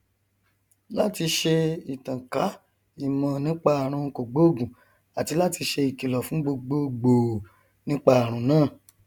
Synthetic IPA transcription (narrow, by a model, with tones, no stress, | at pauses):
la˦ti˧ʃe˧i˨tã˨ka˨˦ | i˨mã˨nĩ˦k͡pa˦a˨ɾ̃ũ˧ko˨ɡ͡bo˨˦˨ɡũ˨ | a˨ti˧la˦ti˧ʃe˧i˨ki˨lɔ˨fũ˨˦ɡ͡bo˧ɡ͡bo˧ɡ͡bo˨ | nĩ˦k͡pa˦˨ɾ̃ũ˨˦nãː˦˨